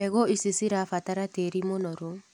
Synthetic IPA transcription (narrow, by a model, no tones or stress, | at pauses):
eɣoisisiɾafataɾateɾimonɔɾo